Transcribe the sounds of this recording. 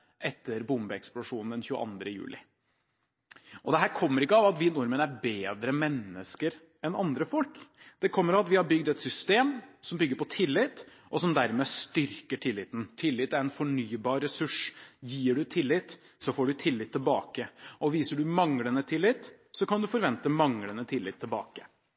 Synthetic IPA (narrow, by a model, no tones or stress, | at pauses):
ʔɛt̪ːəɾbʊmbəɛksplʊʂuːnn̩d̪ɛnçʉːə̰ʔɑ̰nd̪ɾəjʉ̰ːlʔɪ̰ | ʔɔd̪ɛɦæːɾkʰɔmːəɾɪkːəɑʋɑt̪ʋɪnʊɾmənæɾbeːd̪ɾəmɛnːəskəɾ | ɛnɑnd̪ɾəfɔlk | d̪̥ɛkʰɔmːəɾɑɑt̪ʋɪhɑɾbʏɡd̪ɛt̪sʏst̪eːmsɔmbʏɡːəɾpɔt̪ʰɪlːɪt̪ː | ʔɔsɔmd̪æɾmɛːst̪ʏɾkəʈʰɪlːɪːt̪n̩t̪ʰɪlːɪt̪ːæɾɛnfɔɳyːbɑːɾːɛsʉʂjiːɖʉt̪ʰɪlːɪt̪ | sɔfoːɖʉt̪ʰɪlːɪt̪ʰːɪlbɑːkəɔʋiːsəɖʉmɑŋlənət̪ʰɪlːɪt̪ | sɔkɑnd̪ʉfɔɾʋɛnt̪əmɑŋlənət̪ʰɪlːɪt̪ʰːɪlbɑ̰ːkə